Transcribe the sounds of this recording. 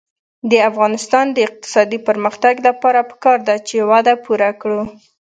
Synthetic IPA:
d̪əafɣɑnɪst̪ɑnd̪əɪq̚t̪ɪ̥sɑd̪ipəɾməxt̪aɡlapɑɾapə̥kɑɾd̪at͡ʃewad̪apuɾakɽu

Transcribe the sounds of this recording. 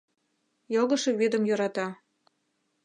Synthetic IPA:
joɣɤʃĕβid̪ə̆mjoɾɑt̪ɑ

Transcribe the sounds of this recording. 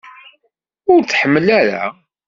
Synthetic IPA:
ʊɾt͡sːħəmːəlæɾa̰

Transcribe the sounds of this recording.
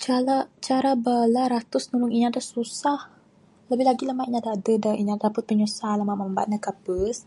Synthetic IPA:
t͡ʃalat͡ʃaɾabalaɾat̪ʊsnulʊŋiɲãdasusah | ləbɪhlaɡiləmaʔiɲadaadədaiɲadadapət̪̚pəɲusalamamamba̰ʔnakapəs

